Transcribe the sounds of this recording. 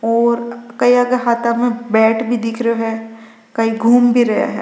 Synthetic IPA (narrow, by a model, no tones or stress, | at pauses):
ɔːɾkɐiaːɡeɦaːt̪ʰamẽbɛːʈbʱid̪ɪkʰɾeoɦɛː | kɐiɡʱuːmbʱiɾɐɦja̰ɦɛ̰ː